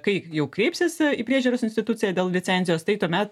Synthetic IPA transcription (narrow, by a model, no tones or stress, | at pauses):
kɐɪjɛʊkɾʲɛɪpʲsʲɪsiːpʲɾʲiɛʒʲuːɾoːsɪnʲsʲt̪ʲɪt̪ut͡sʲɪjɛd̪ʲeːlˠlʲɪt͡s̪ʲsʲɛnʲzʲɪjoːst̪ɐɪt̪uɔmʲɛt̪